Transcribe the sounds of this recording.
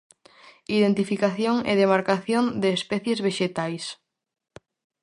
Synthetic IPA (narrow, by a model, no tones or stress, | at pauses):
iðent̪ifikaθjoŋḛðemaɾkaθjond̪eːspɛθjezβeʃet̪ajs